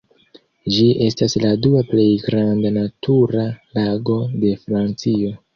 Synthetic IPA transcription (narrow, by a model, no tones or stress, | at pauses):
d͡ʒiʔe̞stasladuaple̞jɡɾandanatʰuɾalaɡo̞de̞fɾant͡sio̞